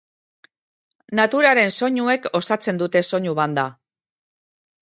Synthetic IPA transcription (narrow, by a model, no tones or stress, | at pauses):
nat̪uɾaɾe̞nso̞ɲue̞ko̞sat͡se̞nd̪ut̪e̞so̞ɲuβand̪a